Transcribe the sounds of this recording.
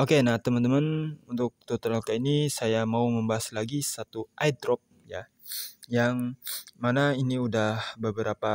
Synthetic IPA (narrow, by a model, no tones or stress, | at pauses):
okenaht̪əmənt̪əmənunt̪ʊk̚t̪ot̪əɾalkainisajamauməmbaɦaslaɡisat̪uʔajd̪ɾɔp̚ | ja | jaŋmanainiudahbəbəɾapa